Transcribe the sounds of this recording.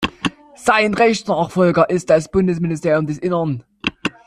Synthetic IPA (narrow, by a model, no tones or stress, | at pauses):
z̥aɪnʁɛçsnaːχfɔlɡɐʔɪst̚d̥asb̥ʊndəsministʰeːɐjʊmdɛsʔɪnɐn